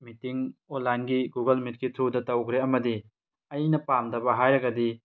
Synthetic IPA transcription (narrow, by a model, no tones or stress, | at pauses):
mitiŋonlajnɡiɡuɡɐlmit̚kitʰodɐtɐwkʰɾeɐmɐdi | ɐjnɐpamdɐbɐɦajɾɐɡɐdi